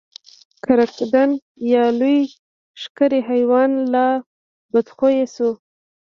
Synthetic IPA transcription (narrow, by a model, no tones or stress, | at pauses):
kaɾakd̪an | jɑluj | ʃkəɾeɦajwɑnla | bad̪xojesu